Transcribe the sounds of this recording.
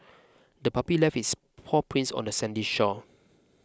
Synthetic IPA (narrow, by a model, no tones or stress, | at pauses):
dəpapilɛfis | pʰɔpʰɹĩnsɔ̰̃ndəsɛ̃ndiʃɔ